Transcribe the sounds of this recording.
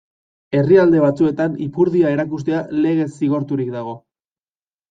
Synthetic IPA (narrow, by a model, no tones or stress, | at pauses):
e̞riald̪e̞β̞at͡sue̞t̪anipuɾðiae̞ɾakust̪e̞ale̞ɣe̞siɣ̞o̞ɾt̪uɾikd̪aɣ̞o̞